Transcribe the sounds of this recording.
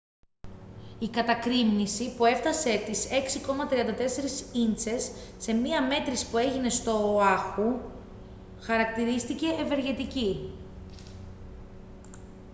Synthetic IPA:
ikɐt̪ɐkɾimnisipue̞ft̪ɐse̞t̪ise̞ksiko̞mɐt̪ɾiɐnd̪ɐt̪e̞se̞ɾisint͡se̞sːe̞miɐme̞t̪ɾispue̞ʝine̞st̪o̞ɐxu | xɐɾɐkt̪iɾist̪ice̞ːve̞ɾʝe̞t̪ici

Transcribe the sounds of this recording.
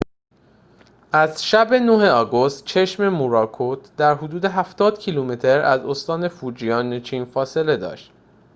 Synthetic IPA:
ʔæzʃæbe̞noɦe̞ɒːɡo̞st̪̚t͡ʃʰe̞ʃme̞muɾɒːkʰot̪ʰd̪æɾɦod̪uːd̪e̞ɦæft̪ɒːd̪̥cʰilumet̪ʰe̞ɾæ̰zost̪ɒːne̞fuːd͡ʒijɒːnet͡ʃʰiːnfɒːse̞le̞d̪ɒ̰ːʃt̪

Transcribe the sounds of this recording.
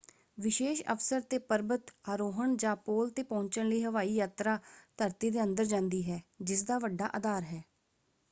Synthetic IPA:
ʋɪʃeːʃə̰fsəɾt̪eːpəɾbət̪aɾoːɦəɳd͡ʒãːpoːlt̪eːpɔ̃ːɲt͡ʃəɽɳləiːɦəʋaːiːjaːt̪ɾaːt̪əɾt̪iːd̪eːənd̪əɾd͡ʒãːnd̪iːɦɛːd͡ʒɪs̬d̪aːʋəɖːa̰ːʔəd̪aːɾɦɛː

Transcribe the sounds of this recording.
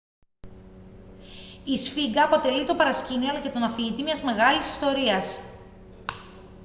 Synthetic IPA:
isfiɡɐːpo̞t̪e̞lit̪o̞pɐɾɐsciniolɐce̞t̪o̞nɐfiʝit̪imɲɐzme̞ɣɐlisi̥st̪o̞ɾiɐs

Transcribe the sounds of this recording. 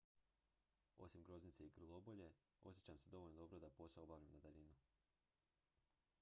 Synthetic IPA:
o̞̰simɡɾo̞znit̪seikr̩lˠo̞bo̞ʎe̞ | o̞sjet͡ɕamsed̪o̞ʋolʲnod̪o̞bɾod̪apo̞seobaʋʎamnad̪alinu

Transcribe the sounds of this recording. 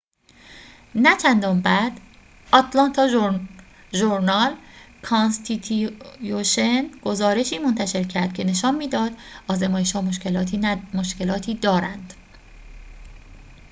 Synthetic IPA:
næt͡ʃʰænd̪ɒːmbæd̪̥ | ɒt̪ʰlɒnt̪ʰɒː | ʒoɾnɒl | kʰɒnst̪ʰit̪ʰujoʃenɡ̥o̞zɒːɾe̞ʃiːmont̪ʰæʃe̞ɾcʰæɾd̪̥̚cʰe̞ne̞ʃɒːnmiːd̪ɒːd̪̥ʔɒːzemɒːjeʃhɒːmoʃcelɒːt̪ʰiːmoʃce̞lɒːt̪ʰiːd̪ɒːɾænd̪̥

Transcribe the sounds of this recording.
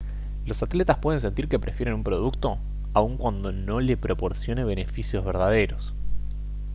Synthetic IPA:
lo̞sat̪let̪aspwe̞ð̞e̞ns̬e̞nt̪iɾke̞pɾʔe̞fjeɾe̞numpɾo̞ð̞uk̚t̪o̞ | auŋkwand̪o̞no̞le̞pɾo̞po̞ɾsjo̞ne̞β̞e̞ne̞fisjo̞zβeɾðaðe̞ɾo̞s

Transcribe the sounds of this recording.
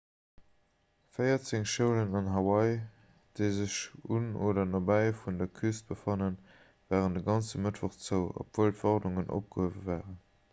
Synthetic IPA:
fəɪɐt͡seŋʃəʊlənɑnɦɑwɑɪ | d̥eɪzəɕunoːdɐnɑbæɪfundɐkʰyst̚b̥əfɑnən | vaːʁəndəɡɑnt͡səmətvoχt͡səʊo̰pv̥oːltfɔʁnuŋənʔo̰p̚ɡ̥əhəvəvaːʁən

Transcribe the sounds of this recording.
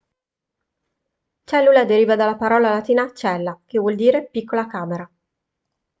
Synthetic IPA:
t͡ʃɛlːulad̪eɾiːvad̪alːapaɾɔːlalat̪iːnat͡ʃɛlːakevːwɔld̪iːɾepikːolakaːmeɾa

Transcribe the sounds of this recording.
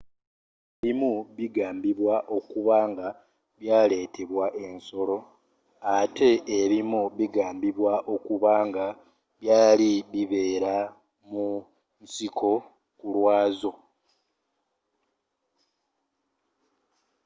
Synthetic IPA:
eβimuβiɡaːmbiβwaʔo̞kuβaːŋɡa | βjaːle̞ːte̞βwaʔe̞nso̞lo̞ | atʰe̞ːβimuβiɡaːmbiβwaʔo̞kuβaːŋɡa | βjaːliβiβe̞ːɾa | mu | nsikʰo̞ | kulwaːzo̞

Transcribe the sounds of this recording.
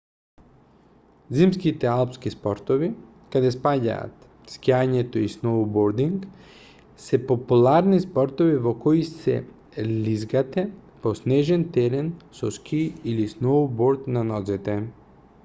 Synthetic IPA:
zimskit̪ɛalˠpskispɔɾt̪ovi | kad̪ɛspaɟa̰a̰t̪ | skiaɲɛt̪oisnowboɾd̪iŋk | sɛpopulˠaɾnispɔɾt̪ovivokɔisɛ̰ | lizɡat̪ɛposnɛʒɛnt̪ɛɾɛnsɔskʰiilisnowboɾt̪nanɔzit̪ɛ

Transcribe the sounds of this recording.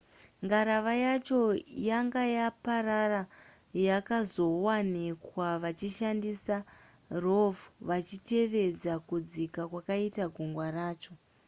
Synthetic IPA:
ŋɡaɾaʋajat͡ʃo̞jaŋɡajapaɾara | jakazo̞wanikwaʋat͡ʃiʃandisa | rovuʋat͡ʃite̞ʋe̞d͡zakud͡zikakwakaitaɡʱuŋɡwaɾaːt͡ʃo̞

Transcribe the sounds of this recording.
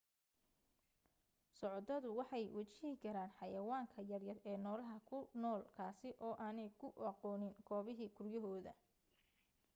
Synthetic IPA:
sɔʕɔt̪ɐðʊwɑħɑjwɐt͡ʃɪhɪkʰɐɾaːnħɑjɐwaːŋkʰɐjɐrjɐrɛːnɔːlɐɦɐkʰʊnɔːlkʰaːsɪʔɔːʔaːnɛjkʰʊɑqɔːnɪŋɡ̥ɔːβɪɦiːkʰʊrjɐɦɔːðɐ̰

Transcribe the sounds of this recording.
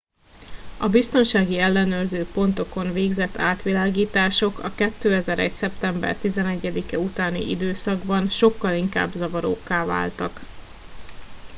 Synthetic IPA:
ɒbist̪o̞nʃaːɡiɛlːɛnøːrzøːpo̞nt̪o̞ko̞nveːɡzɛt̪ʰːaːt̪ʋilaːɡiːt̪aːʃo̞kɒ̰kɛt̪ːøːɛzɛɾɛ̰csɛpt̪ɛmbɛ̰rt̪izɛnɛɟːɛd̪ikɛut̪aːnḭʔḭd̪øːsɒɡbɒnʃo̞kːɒliŋka̰ːbzɒvɒɾo̰ːkːaːva̰ːlt̪ɒk

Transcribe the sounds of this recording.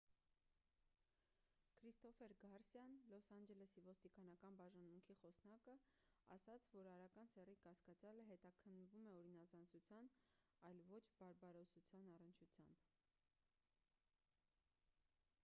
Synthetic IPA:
kʰɾist̪ɔfɛɾɡɑɾsjɑnlɔsɑnd͡ʒɛlɛsivɔst̪ikɑn̪ɑkɑnbɑʒɑnmuŋkʰiχɔsnɑkəɑ̰sɑt͡sʰvɔɾɑɾɑkɑnsɛrikɑskɑt͡sjɑləɦɛt̪ɑkʰənːvumɛɔɾinɑzɑnsut͡sʰjɑn | ɑjlvɔt͡ʃʰbɑɾbɑɾɔsut͡sʰjɑnɑrənt͡ʃʰut͡sʰjɑmb

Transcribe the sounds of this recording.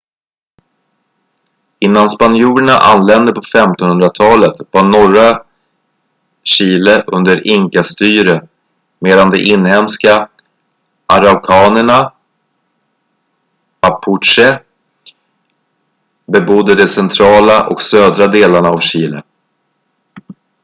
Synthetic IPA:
ɪnːanspanjuːɾəɳa̰ʔa̰nːlɛnd̪əpʰɔfɛmt̪ɔnhɵnd̪ɾat̪ʰɑːlət̪vaɳɔɾa | ɕiːləʔɵnd̪əɾɪŋkast̪yːɾə | meːd̪and̪ɛʔɪnːhɛmska | ʔaɾaʊkʰɑːnəɳa | apʰʊʈʂɛ | bɛbʊd̪ːəd̪ɛsɛnt̪ʰɾɑːlaʔɔ̰ksøːd̪ɾad̪eːlaɳaːvɕiːlə̰

